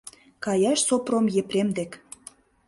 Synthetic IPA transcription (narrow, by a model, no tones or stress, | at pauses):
kɑjɑʃsopromjepɾemd̪ek